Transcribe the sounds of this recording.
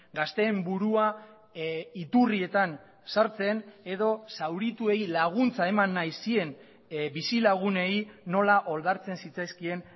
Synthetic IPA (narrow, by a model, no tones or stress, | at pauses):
ɡast̪e̞ːmbuɾua | it̪urie̞t̪an | saɾt͡se̞ne̞ðo̞sawɾit̪ue̞jlaɣ̞unt͡sae̞manːajsie̞n | bisilaɣ̞une̞ino̞laʔo̞ld̪aɾt͡se̞nsit͡sajskie̞n